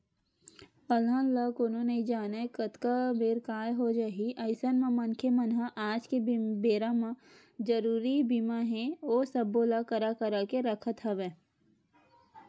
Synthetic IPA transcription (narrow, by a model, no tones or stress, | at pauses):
əlɦãləkonõneid͡ʒaːnekət̪kabeːɾkaːjɦod͡ʒaɦiʔɐɪsənmãmɐnkʰemɐnɦaʔaːd͡ʒkebeːɾamã | d͡ʒəɾuːɾibimaɦɛ̃oːsɐbːoːlakəɾakɐɾakeɾɐkʰət̪ɦɐʋeː